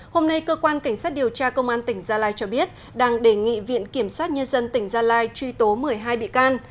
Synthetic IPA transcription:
ho˧mna˧jkəː˧kwaː˧nka˧˩jŋ̟saː˦˥t̚ɗi˨˩əwt͡ɕaː˧kə˧wŋ͡mʔaː˧nt̪ï˧˩ŋ̟zaː˧laː˧jt͡ɕɔ˧ɓi˦˥ət̚ | ɗaː˧ŋɗe˧˩ŋḭ˧˨vḭ˧˨ənki˧˩əmsaː˦˥t̚ɲə˧nzə˧nt̪ï˧˩ŋ̟zaː˧laː˧jt͡ɕwi˧t̪o˨˦mɨ˨˩əjɦaː˧jɓḭ˧˨kaː˧n

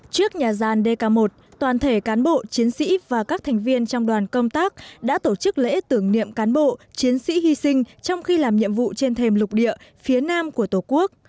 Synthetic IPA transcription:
t͡ɕɨ˦˥ək̚ɲaː˨˩zaː˨˩nɗe˧kaː˧mo˨˩t̚t̪waː˨˩nt̪ʰe˧˩kaː˨˦nɓo̰˧˨t͡ɕi˨˦ənsḭ˧˥vaː˨˩kaː˦˥k̚t̪ʰɛ˨˩jŋ̟vi˧ənt͡ɕɔ˧wŋ͡mɗwaː˨˩nkə˧wŋ͡mt̪aː˦˥k̚ɗa̰ː˧˥t̪o˧˩t͡ɕɨ˦˥k̚lḛ˧˥t̪ɨ˧˩əŋnḭ˧˨əmkaː˨˦nɓo̰˧˨t͡ɕi˨˦ənsḭ˧˥hi˧sï˧ŋ̟t͡ɕɔ˧wŋ͡mxi˧laː˨˩mɲḭ˧˨əmvṵ˧˨t͡ɕe˧nt̪ʰe˨˩mlʊ˨˩k͡p̚ɗḭ˧˨əfi˨˦ənaː˧mku˧˩ət̪o˨˩ku˦˥ək̚

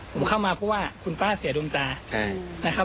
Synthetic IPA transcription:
pʰo˨˩˦mkʰa˥˩wmaː˧pʰɔ˦˥waː˥˩kʰu˧npaː˥˩si˩˦duː˧nt͡ɕaː˧a˥˩na˦˥kʰa˦˥

